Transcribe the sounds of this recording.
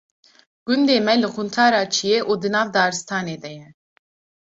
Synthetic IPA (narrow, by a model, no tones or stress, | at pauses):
ɡ̥und̪eːmɛlɨxunt̪ʰaːɾaːt͡ʃʰijeːʔuːd̪ɨnɑːvd̪ɑːɾɨst̪ʰɑːneːd̪ɛjɛ